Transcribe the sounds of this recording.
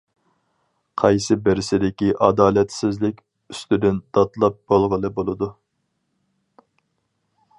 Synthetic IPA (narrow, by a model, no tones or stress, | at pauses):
qʰɑjsɨbɪɾɪsɪd̪ɪkʲiʔɑd̪ɑːlɛt̪sɪzlɪkʲ | yst̪yd̪ynd̪̥ɑt̪lˠɑp̚b̥olˠʁəlˠɨbolˠɨd̪u